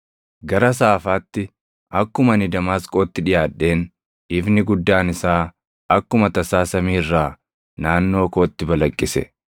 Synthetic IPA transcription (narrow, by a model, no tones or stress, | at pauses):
ɡɐɾɐs̬aːfaːt̪ːɪ | ʔɐkːʊmɐnɪd̪ɐmaːskʼo̞ːt̪ːɪᶑɪjaːᶑːe̞ːn | ɪfnɪɡʊd̪ːaːnɪsaː | ɐkːʊmɐt̪ɐsaːsɐmiːrːaː | naːnːo̞ːko̞ːt̪ːɪbɐlɐkʼːɪsɛ̰